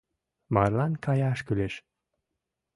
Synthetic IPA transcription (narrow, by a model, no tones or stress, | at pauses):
mɑrlɑnkɑjɑʃkyleʃ